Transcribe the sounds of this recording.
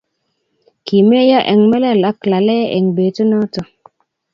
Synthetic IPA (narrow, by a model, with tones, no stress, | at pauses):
ki˨me˦ja˦ʔɛ˨ŋmɛ˦lɛ˦˨la˦kla˨lɛ˦ʔɛ˨ŋbe˨tu˦nɔ˦tɔ˨